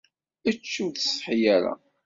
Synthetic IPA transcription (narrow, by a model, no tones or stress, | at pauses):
ət͡ʃːənt̪sħijæɾa̰